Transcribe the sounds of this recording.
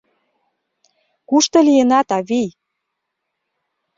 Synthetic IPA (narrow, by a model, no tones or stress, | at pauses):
kuʃt̪ɤ̆lijenɑt̪ɑβij